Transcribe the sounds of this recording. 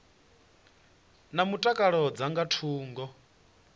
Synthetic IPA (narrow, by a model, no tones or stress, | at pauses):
namutʼakʼaɺɔd͡zaŋɡatʰuːŋɡɔ